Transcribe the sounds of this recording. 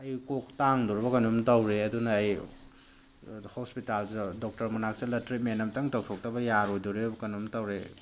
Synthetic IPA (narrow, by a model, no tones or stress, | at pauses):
ɐjkok̚taŋduɾbɐkɐnumtɐwɾeɐdunɐːj | hospitalzɐdok̚tɐɾmɐnak̚sɐlɐtɾit̚menɐmtɐŋtɐw̚sʰok̚tɐbɐjaɾojduɾeɾbɐkɐnumtɐwɾe